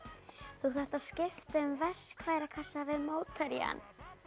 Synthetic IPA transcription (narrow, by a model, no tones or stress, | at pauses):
θuθar̥t̪aðscɪft̪aʏmvɛr̥kʰvaːjɾakʰasːavɪðmoːwt̪ʰaɾja̰n